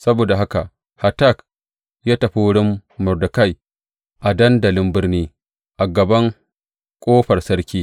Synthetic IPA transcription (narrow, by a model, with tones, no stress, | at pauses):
sɐ˦boː˨da˨ɦa˦ka˨ʔ | ha˨ta˦˨k | jaː˦tɐ˨ɸu˦wɽɪ˦mːʊ˨rdʊ˨ka˦˨j | ʔa˨dɐ˦ndɐ˨lɪ˦mbɪ˦rniː˦ | ʔa˨ɡɐ˨bɐ˦ŋ | kʷʼoː˦ɸɐ˨rsɐ˦ɾkʲiː˦